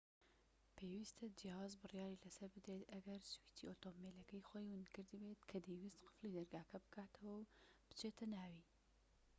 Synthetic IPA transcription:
pʰeːwist̪ʰɐd͡ʒihaːzbɨrjaːɾiːlɐsɐɾbɨd̪ɾeːt̪ɐɡɐɾswiːt̪ʰiʔoːt̪oːmːeːlɐkɛjxʷɛjwɨnkɨɾd̪ɨbeːt̪kʰɐd̪eːwist̪qɨ̥fliːd̪ɐɾɡaːkʰɐbɨkʰaːt̪ʰɐwɐwb̥ɨ̥t͡ʃʰeːt̪ʰɐnaːwiː

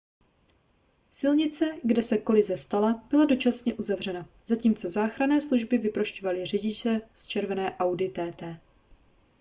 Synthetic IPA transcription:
sɪlɲɪt͡sɛɡdɛsɛko̞lɪzɛst̪alab̥ɪlado̞t͡ʃasɲɛʔuzavr̝ɛna | z̥aciːmt͡so̞zaːxɾanɛːsluʒbɪvɪpɾoʃcovalɪrɛɟɪt͡ʃɛst͡ʃɛɾvɛnɛːʔawdɪt̪ɛːt̪ɛː

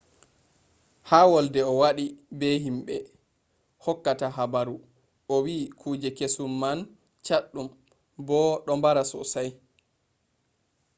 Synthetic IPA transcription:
haːwɔldɛɔwaɗibɛɦimɓɛ | hɔkːataɦabaɾu | ʔɔwiːkʰuːd͡ʒɛkesumːan | t͡ʃaɗːum | bɔɗɔmbaɾasɔ̰saj

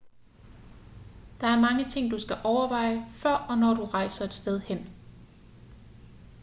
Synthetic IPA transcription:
d̥ɑ̈æɐmɑ̈ŋət͡sʰe̝ŋ̰d̥usɡ̥æʔɒʊɐʋɑ̈ɪ̰əfɶɐ̰ɒ̽nɒ̰d̥uʁɑ̈ɪsɐe̝d̥sd̥eð̞ˠhen̰

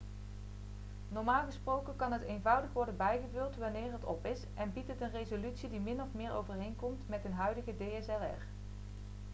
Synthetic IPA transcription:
nɔɹmaːlˠɣəsprowkənkɑnɦətejnvʌwdəχʋɔɹdənbɛjχəvɵlˠtʋɑnɪːɹɦətɔpɪsʔɛnbitɦətənrejzolytsidimɪnɔfmɪːɹʔo̰wvəɹɦejnkɔmtmɛtɦənɦœɥdəɣədejɛsɛlɛ̰ɹ

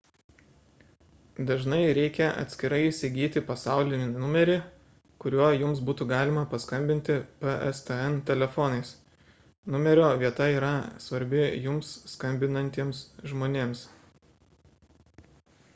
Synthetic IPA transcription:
d̪ɐʒnɐɪɾʲɛɪkʲɛɐ̰t̪ʲsʲkʲɪɾɐɪisʲɪɡʲiːt̪ʲɪpɐsɑˑʊlʲɪnʲɪnʊmʲɛɾʲɪ | kʊɾʲuɔjʊmsbuːt̪uːɡɑːlʲɪmɐpɐskɐmʲbʲɪnʲt̪ʲɪpɛɛ̰st̪ɛɛnt̪ʲɛlʲɛfɔnɐɪs | nʊmʲɛɾʲoːʋʲiɛt̪ɐiːɾɐsʋɐɾʲbʲɪjʊmsːkɐmʲbʲɪnɐnʲt̪ʲiɛmsʒmoːnʲeːms

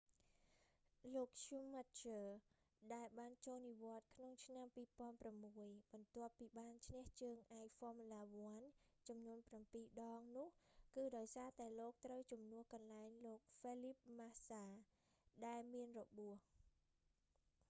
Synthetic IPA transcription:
loːk̚t͡ɕumat̪̚t͡ɕəː | ɗaɛlɓaːnt͡ɕoːlniʋŏət̪̚kʰnoŋt͡ɕʰnampiːpŏənpramːuəjɓɑnt̪ŏəpːiːɓaːnt͡ɕʰnɛ̆əht͡ɕəːŋʔaɛjfɔ̆əmalaːʋŏənt͡ɕɑmnuənprampiːɗɑːŋnʊ̆əhkɨːɗaɔjsaːt̪aɛloːk̚t̪rəwt͡ɕumnʊ̆əhkɑnlaɛŋloːk̚felip̚masaː | ɗaɛlmiənrɔɓuəh

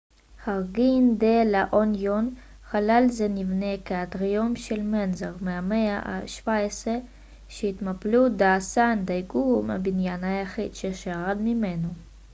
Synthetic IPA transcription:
haʁɡind̪elaʔonjon | χalalzenivnekeat̪ʁijomʃelmenzaʁmeameaʔa̰ʃv̥aesʁe | ʃeit̪maplud̪aːsand̪ajɡuma̰binjanhajaχid̪ʃeʃaʁad̪mimeno

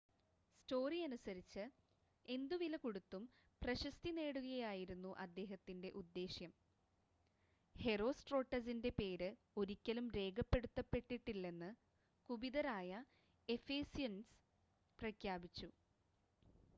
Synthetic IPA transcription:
sto̞ːriɐnusɐɾit͡ɕːɨ | e̞nd̪uʋilɐkuɽut̪ːum | prɐɕɐst̪ine̞ːɽuɣɐjaːjiɾunːuʔɐd̪ːe̞ːɦɐt̪ːinde̞ʔud̪ːe̞ːɕjɐm | he̞ro̞ːsʈro̞ːʈːɐsinde̞pe̞ːɾɨ | o̞ɾikʲːɐlumɾe̞ːɡɐpːe̞ɽut̪ːɐpːe̞ʈːiʈːilːe̞nːɨ | kubiðɐɾaːjɐ | e̞feːsijɐns | prɐkʰjaːbit͡ɕːu

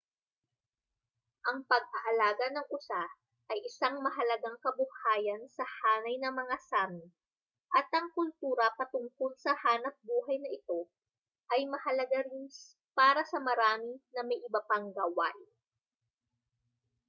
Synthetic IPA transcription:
ʔɐŋpɐɡ̚ʔɐʔɐlaːɡɐnɐŋʔʊsa | ʔɐjʔɪsaŋmɐɦɐlɐɡaŋkɐbʊhaːjɐnsɐhaːnɐjnɐmɐŋasaːmɪ | ʔɐt̪ʔɐŋkʊlt̪uːɾɐpɐt̪ʊŋkolsɐhaːnɐp̚buːɦɐjnɐʔɪt̪o̞ | ʔɐjmɐhɐlɐɡaɾɪn | paːɾɐsɐmɐɾaːmɪnɐmɐjʔɪbɐpaŋɡawa̰j

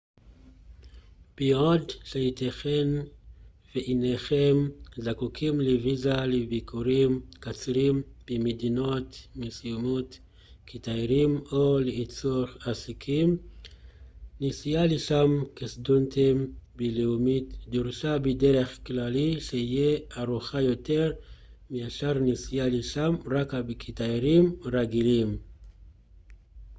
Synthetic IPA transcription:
b̥iodʃejit̪aχen | veʔineχemzakukʰimlevizalebikʰuɾimkat͡sɾimb̥emedino̞tmesijumot | kitajɾimoleit͡suaχasikʰim | nisijaleʃamkisd̪untimbeleumitd̪uɾʃabideɾeχklaliʃeijeaɾuχajo̞t̪eɾmiaʃaɾnisijaleʃamɾakabekʰit̪ajɾimɾaɡilim

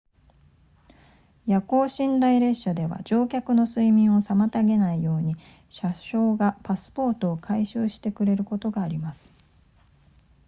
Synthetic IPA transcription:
jako̞ːɕĩnd̪aiɾe̞ɕad̪e̞βa̰d͡ʑo̞ːkʲakɯ̟no̞sɨimʲĩɰ̃o̞samat̪aɡe̞naijo̞ːɲ̟i | ɕaɕo̞ːɡapasɨ̥po̞ːt̪o̞ːkʰaiɕɨːɕi̥t̪e̞kɯ̟ɾe̞ɾɯ̟ko̞t̪o̞ɡaːɾʲimasɨ̥

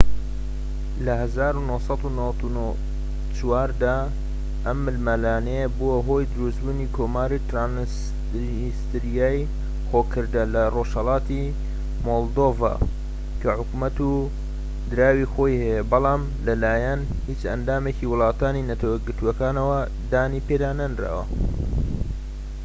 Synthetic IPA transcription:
lɐhɐzaːɾunohsɑd̪unɐwɐt̪uno | t͡ʃwaːɾd̪aː | ʔɐmːɨlmalaːnebuwɐɦo̞jd̪ɨɾusbuːniːkʰoːmaːɾit̪ɾan | st̪ɨɾijaːj | xokʰɨɾd̪ɐlɐroʃhɐlˠɑːt̪i | molˠd̪ova̰ː | kʰɐħʊkumɐt̪u | d̪ɨɾaːwixo̞ːjhɐjebɑlˠɑːm | lɐlaːjɐn | hit͡ʃɐ̰nd̪aːmeciwʊlˠɑːt̪aːninɐt̪ʰɐweɡɨɾt̪uɐkaːnɐwɐ | d̪aːniped̪aːnɐnɾa̰wɐ̰

